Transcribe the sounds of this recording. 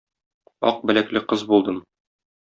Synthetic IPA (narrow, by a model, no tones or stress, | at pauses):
ɒ̰q̚bɘ̆læklɘqɤzbulˠd̪ɤm